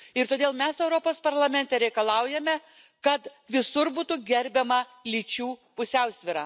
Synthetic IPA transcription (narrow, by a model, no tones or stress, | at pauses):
ɪɾt̪oːd̪ʲeːlˠmʲɛsɛʊɾoːpoːspɐɾlˠɐmʲɛnʲt̪ʲɛɾʲɛɪkɐlˠɐʊjɛmʲɛ | kɐt̪ʋʲɪsʊɾbuːt̪ʊɡʲɛɾʲbʲɛmɐlʲiːt͡ʃʲuːpʊsʲɛʊsʲʋʲɪɾɐː